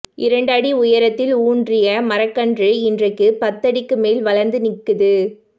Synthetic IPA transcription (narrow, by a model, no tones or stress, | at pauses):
ʔɪɾɐɳɖɐɽiʊjɐɾɐt̪ːɪluːndrɪjɐmɐɾɐkːɐndrɯɪndrɐɪkːɯpɐt̪ːɐɽɪkːɯmeːlʋɐlɐɾnd̪ɯnɪkːɯðɯ